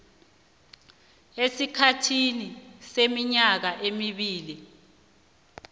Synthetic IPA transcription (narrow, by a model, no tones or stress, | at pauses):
esikʰatʰinisemiɲak̬aʔemiɓiːli